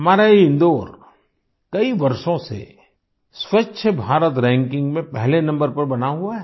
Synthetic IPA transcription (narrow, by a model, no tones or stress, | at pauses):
ɦɐmaːɾaeɪ̃nd̪oːɾ | kɐiʋɐɾʃõsḛ | swɐtːʃʰəbʱaːɾət̪ɾɛ̃ːŋkɪ̃ŋɡmẽpɛɦlenɐ̃mbəɾpɐɾbɐnaɦuaɦɛː